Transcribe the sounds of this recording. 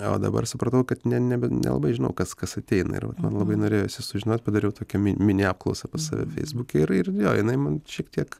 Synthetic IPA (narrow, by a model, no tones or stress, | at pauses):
o̰ːd̪ɐ̰bɐ̰rsʊpɾɐt̪ɐʊkɐt̪nʲɛnʲɛbʲɛnʲʔɛ̰lˠɐ̰bɐɪʒʲɪnɐ̰ʊkɐskɐsɐt̪ʲɛɪnɐ̰ɪ̰ɾʋɐ̰t̪mɐnlˠɐbɐɪnoːɾʲeːjoɪsʲɪsʊʒʲɪnoːt̪̚ʲpɐd̪ɐɾʲɛʊt̪oːkʲɛmʲɪnʲmʲɪnʲɪɑːp̚klˠɐʊsɐpɐsɑ̰ːʋʲɛ̰fʲɛ̰ɪzbuːkʲɛɪɾɪrjoːjɪnɐɪmɐnʃʲiɛkt̪ʲiɛk